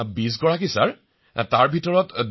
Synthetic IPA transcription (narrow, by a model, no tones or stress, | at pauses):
bis̬ɡɔɹakisa̰ɹ | taɹbʱitɔɹɔtd